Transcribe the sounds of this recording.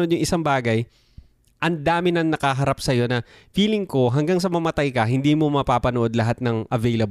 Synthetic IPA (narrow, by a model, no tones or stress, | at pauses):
od̪jʊŋʔɪsaŋbaːɡɐj | ʔɐnd̪aːmɪnɐŋnɐkɐɦɐɾapsɐjo̞nɐfiːlɪŋko̞ɦɐŋɡaŋs̬ɐmɐmɐt̪ajkɐɦɪnd̪iːmo̞mɐpaːpɐnoʔo̞d̪lɐɦat̪̚nɐŋʔɐvɛjlɐb